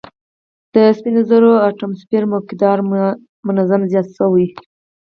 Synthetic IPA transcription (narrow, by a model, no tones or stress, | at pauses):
d̪̥əspinozəɾoɑʈamspiɾmokɪd̪ɑɾ | mʊnazamzjɑt̪səwi